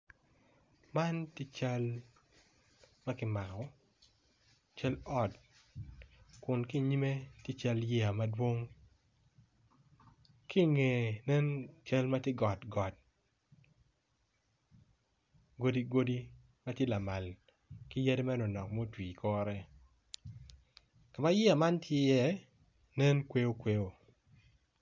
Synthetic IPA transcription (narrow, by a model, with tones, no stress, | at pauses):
ma˦nti˦t͡ʃa˦l | ma˦kɪ˦ma˨kɔ˨˦ | t͡ʃa˦lɔ˦˨t | kʊ˨nki˦ɲi˦me˦tje˦t͡ʃa˦ljɛ˦a˨ma˦dwo˦ŋ | ki˦ŋe˨nɛ˦nt͡ʃa˦lma˦te˦ɡɔ˨tɡɔ˨t̚ | ɡo˦di˦ɡo˦di˦ | ma˦tje˦la˨ma˨l | kɪ˦ja˦de˦mɛ˦no˨nɔ˨kmo˦˨twi˨kʰɔ˦ɾɛ˦ | ka˨ma˦jɪ˦a˨ma˦ntje˦jɛ˦ | nɛ˦nkwe˦o˦kwe˦o˨